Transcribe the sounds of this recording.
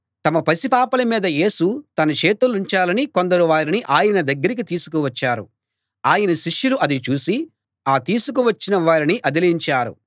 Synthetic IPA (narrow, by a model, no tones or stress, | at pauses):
t̪ɐmɐpɐsipaːpɐlɐmiːd̪ɐje̞ːsut̪ɐnɐt͡ʃeːt̪uluɲt͡ʃaːlɐniko̞nd̪ɐɾuʋaːɾiniʔaːjɐnɐd̪ɐɡːɐɾik̬it̪iːsu̥k̬uʋɐt͡ʃːaːɾṵ | aːjɐnɐʃiʂjuluʔɐd̪it͡ʃuːsi | aːt̪iːsuk̬uʋɐt͡ʃːinɐʋaːɾiniʔɐd̪iliɲt͡ʃaːɾṵ